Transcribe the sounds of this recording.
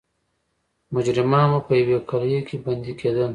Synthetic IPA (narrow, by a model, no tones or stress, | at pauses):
mʊd͡ʒɾɪmɑmapəjawekaljokʰebɐnd̪ikʰed̪əl